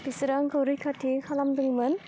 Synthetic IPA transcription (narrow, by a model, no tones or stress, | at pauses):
pisɾaŋkawɾɯjkʰatʰikʰalamdɯŋmɯn